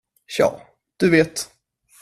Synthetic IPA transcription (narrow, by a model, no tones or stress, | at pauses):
ɕɑ̰ː | d̪̥ɵveːt̪